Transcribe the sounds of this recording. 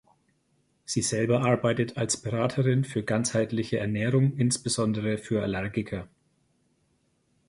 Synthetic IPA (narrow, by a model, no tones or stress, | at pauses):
z̥iːzɛlbɐʔaɐbaɪtətʰalsb̥əʁaːtʰəʁɪnfyːɐɡant͡shaɪtlɪçəʔɛɐnɛːʁʊŋɪnsb̥əzɔndəʁ̞əfyːɐalɛɐɡɪkʰɐ